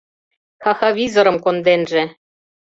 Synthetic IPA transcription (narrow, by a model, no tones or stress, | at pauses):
xɑxɑβʲizoɾɤ̆mkond̪enʒĕ